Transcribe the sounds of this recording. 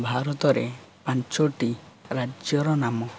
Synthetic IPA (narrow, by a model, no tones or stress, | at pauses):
bʱaɾɔt̪ɔɾepant͡ʃɔʈiɾad͡ʒjɔɾɔnamɔ